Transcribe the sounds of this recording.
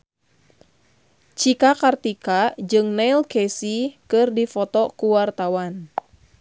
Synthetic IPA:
t͡ʃikakart̪ikad͡ʒɨŋnɛilkɛsikɨrdifɔt̪ɔkuwart̪awan

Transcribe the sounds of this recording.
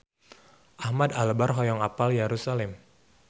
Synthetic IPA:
ʔahmadaləbarɦɔjɔŋapaljaɾusalɛm

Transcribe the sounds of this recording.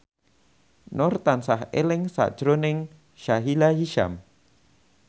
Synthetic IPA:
nɔrt̪ansaɦḛlɪŋsa̰ʔd̥ʒ̥ɾonɪŋ | ʃaɦilajiʃa̰m

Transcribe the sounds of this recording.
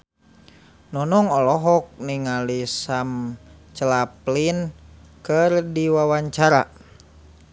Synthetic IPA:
nɔnɔŋɔlɔɦɔk̚niŋalisamt͡ʃəlaplinkɨrdiwawaɲt͡ʃaɾa̰

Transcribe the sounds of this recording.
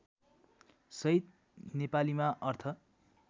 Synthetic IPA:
sʌit̪̚ | nepalimaʔʌrt̪ʰʌ

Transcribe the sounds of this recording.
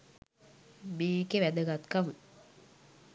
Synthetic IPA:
meːkeʋæd̪əɡat̪kamə

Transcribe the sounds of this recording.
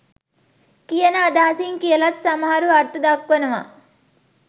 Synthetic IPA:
kijɐnaːd̪aːsiŋkilɐt̪sɐmaːɾuɐɾt̪ɐd̪ɐkwɐnɐʋa̰

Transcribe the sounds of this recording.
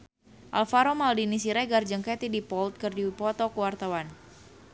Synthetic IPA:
ʔalfaɾomaldinisiɾɛɡard͡ʒəŋket̪idipɔlt̪̚kərdipɔt̪ɔkəwart̪awan

